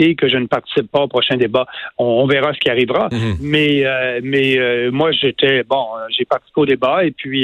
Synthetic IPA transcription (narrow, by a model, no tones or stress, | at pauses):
ekəʒənəpaʁt̪i̥sipːaopʁɔʃɛ̃d̪ebaɔ̃ːvɛʁasə̥kʲiaʁivʁamɛømɛømwaʒet̪ʰɛbɔ̃ʒepaʁt̪i̥si̥peod̪ebaepɥi